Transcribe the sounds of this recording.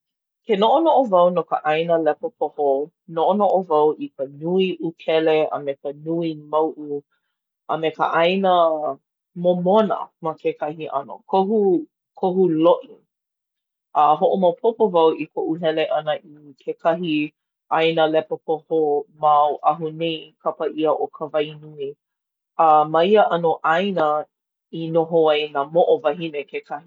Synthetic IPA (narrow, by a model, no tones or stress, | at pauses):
kenoʔonoʔovɐwnokə̰ʔajnəlɛpopʰoho | noʔonoʔovɐwʔikənuiʔukʰɛleə̰mekənuimawʔu | ʔəmekə̰ʔajnə | momonə̰mɐkekʰɐhiʔɐ̰no̰kʰohu | kʰoɦuloʔi | ʔəɦoʔomawpʰopovawʔikʰoʔuɦɛleʔɐnəʔikʰekʰɐɦi | ʔajnəlɛpəpohomawʔaɦunejkʰɐpəʔiəʔokʰəvajnui | ɐmɐiəʔɐnoʔajnə | inoɦoajnamoʔovɐɦinekʰekʰɐhi